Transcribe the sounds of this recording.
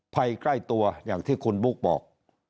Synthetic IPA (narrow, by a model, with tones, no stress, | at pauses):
pʰa˧jkla˥˩jt̪u˧ɐjaː˨˩ŋt̪ʰiː˥˩kʰu˧nbu˦˩k̚bɔ̰ː˨˩k̚